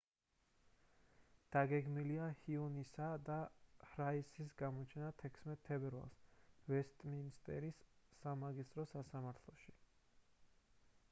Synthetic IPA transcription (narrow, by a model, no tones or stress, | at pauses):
d̪̥aɡɛɡmiliahiunisad̪ahɾaisis̬ɡamɔt͡ʃʰɛnat̪ʰɛkʰsmɛt̪ʰːɛbɛɾva̰lˠsvɛst̪ʼminst̪ʼɛ̰ɾisːamaɡist̪ʼɾɔsasamaɾt̪ʰlˠɔʃi